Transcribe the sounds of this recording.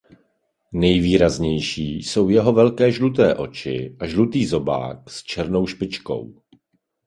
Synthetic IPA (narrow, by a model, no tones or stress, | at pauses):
nɛjviːɾazɲɛjʃiːso̞wjɛɦo̞vɛlkɛːʒlut̪̬ɛːʔo̞̰t͡ʃɪ̰ʔaʒlut̪iːzo̞ba̰ːkst͡ʃɛɾno̞wʃpɪt͡ʃko̞̰w